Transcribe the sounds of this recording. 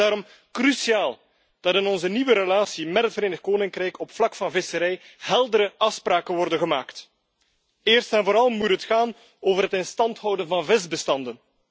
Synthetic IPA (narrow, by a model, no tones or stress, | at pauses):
aːɾɔm | krysiaːlˠ | d̥ɑtɪnɔnzəniwəɾəlaːsimɛtɦətfəɾeːnəxkoːnɪŋkrɛjkʰɔpflɑkfɑnvɪsəɾɛjhɛlˠdəɾəɑfspraːkənʋɔrdəɣəmaːkt | ɪːrstɛnvoːɾɑlˠmutɦətxaːn | oːvərɦətɪnstɑntɦʌwdənvɑnvɪzbəstɑndən